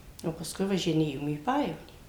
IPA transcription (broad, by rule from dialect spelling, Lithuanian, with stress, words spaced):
oː pɐsˈkʊɪ ʋɐʒʲɪˈnʲeːjoːm iː ˈpɑːjɛʋoːnʲiː